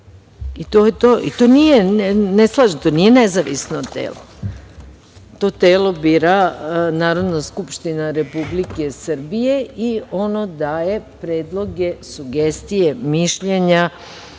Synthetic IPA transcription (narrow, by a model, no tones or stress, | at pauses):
it̪o̞ːjet̪o̞ːʔit̪o̞ːnijeneslˠaʒit̪onije̞ne̞zaʋḭsnot̪ḛːlo | t̪o̞ːt̪e̞ːlo̞biːɾanaːɾo̞d̪naskupʃt̪inaɾe̞publike̞səɾ̩bije̞io̞no̞d̪aːje̞pɾeːd̪lˠo̞ɡe̞suɡe̞st̪ije̞miʃʎe̞ɲa